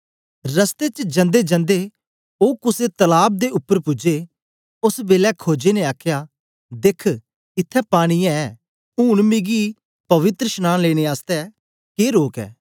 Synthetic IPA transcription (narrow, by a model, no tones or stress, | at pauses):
ɾəst̪et͡ʃd͡ʒɐ̃nd̪ed͡ʒə̃nd̪e | oːkʊset̪ɐlaːb̚d̪eʊpːəɾpʊd͡ʒe | ʊsbeːlɛkʰoːd͡ʒenẽaːkʰja | d̪ekʰ | ɪt̪ʰːɛpaːɽ̃iɛ̃ | uːɽmɪɡi | pɐʋɪt̪ɾəʃnaːnleːɽ̃eaːst̪ɛ | keːɾoːkɛ̰ː